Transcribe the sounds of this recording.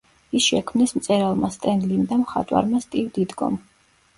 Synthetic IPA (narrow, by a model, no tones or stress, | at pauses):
isʃɛkʰmnɛsmt̪sʼɛɾalˠmast̪ʼɛnlimd̪amχa̰t̪ʼwa̰ɾmast̪ʼivd̪id̪ɡɔ̰m